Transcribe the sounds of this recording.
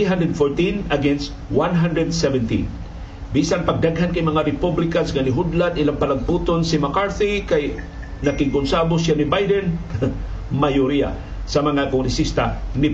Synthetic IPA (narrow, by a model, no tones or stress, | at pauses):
iɦand̪ɾɛd̪foɹt̪ĩnɐɡɛnst̪wanɦand̪ɾɛd̪sɛvɛnt̪ḭn | biːsaŋpɐɡ̚d̪aɡɦankɐjmɐŋaɾɪpublɪkansŋanɪɦud̪lad̪ɪlaŋpɐlaɡ̚puːt̪onsɪmakaɹθikaj | nɐkɪŋkʊnsaːbosjanibajd̪ɛn | majʊɾia̰ | sɐmɐŋakʊŋɾɛsist̪anɪ